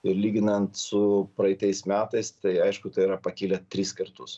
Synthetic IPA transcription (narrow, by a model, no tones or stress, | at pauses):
ɪɾlʲiːɡʲɪnɐnt̪sʊpɾɐɪt̪ʲɛɪsmʲæːt̪ɐɪst̪ɐɪɐɪʃkʊt̪ɐɪiɾɐpɐkʲiːlʲɛt̪ʲɾʲiːskɐɾt̪ʊs